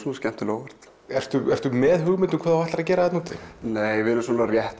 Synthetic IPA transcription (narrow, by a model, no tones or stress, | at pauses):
sunascɛm̥t̪ɪloːwvɛɾ̥t̪ | ɛr̥st̪ʏɛr̥t̪ʏmɛðɦʏɣmɪnt̪ʏmkʰvaːðavaht̪aɾacɛːɾaðɛt̪nuːt̪ɪ̰neːjvɪɾɪsuːnaɾjɛht̪